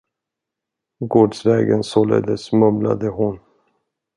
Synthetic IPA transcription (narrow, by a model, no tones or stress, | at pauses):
ɡoːɖsvɛːɡənsɔːlḛd̪əsmɵbla̰d̪əhʊn